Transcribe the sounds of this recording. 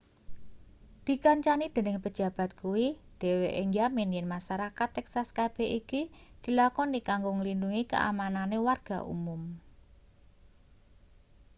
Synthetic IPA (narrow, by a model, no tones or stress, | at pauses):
d̪̥i̤kaɲt͡ʃanid̪̥e̤nɪŋpə̥d͡ʒ̥a̤b̥a̤t̪̚kuwid̪̥e̤weʔeŋamɪnjɛnmaʃaɾakat̪ːɛksaskab̥ɛ̤ɦikid̪̥i̤lakɔnikaŋɡoŋlinduŋikə̰ʔa̰mananewarɡ̥a̤̰ʔṵmum